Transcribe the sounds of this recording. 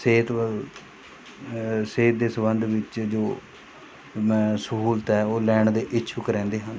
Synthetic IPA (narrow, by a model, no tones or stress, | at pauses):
seːt̪ | seːt̪̚d̪eːsəbənd̪ʋɪt͡ʃd͡ʒoː | mɛ̃ːsəɦuːlt̪ɛːoːlɛːɳd̪eːʔɪʃʰʊkɾɛ̃ːnd̪eːɦən